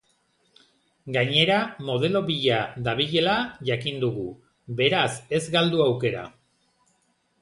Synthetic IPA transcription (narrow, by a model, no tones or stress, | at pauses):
ɡaɲe̞ɾamo̞ð̞e̞lo̞βiʎad̪aβiʎe̞laʝakind̪uɣu | βe̞ɾase̞zɡald̪uawke̞ɾa̰